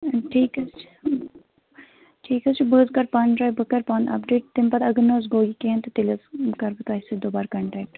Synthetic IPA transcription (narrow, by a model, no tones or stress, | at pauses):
ʈʰiːkɐst͡ʃʰ | ʈʰiːkɐst͡ʃʰbəːzkɐɾpaːnʈɾaːjbəkɐɾpaːnɐ̰pɖeːʈ̚t̪ɪmpɐd̪ɐɡənoːz̬ɡoːɡikẽnt̪ɐt̪ɪlɐzkɐɾbɨt̪ɐːsed̪oːbaːɾkɐɳʈɛːk̚ʈ